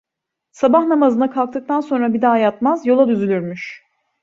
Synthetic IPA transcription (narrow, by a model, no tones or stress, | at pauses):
sabahnamazɯnakʰalˠk̚t̪ɯk̚t̪ʰanso̞nɾabid̪aːjat̪mazjo̞lˠad̪yzylʲyɾmyʃ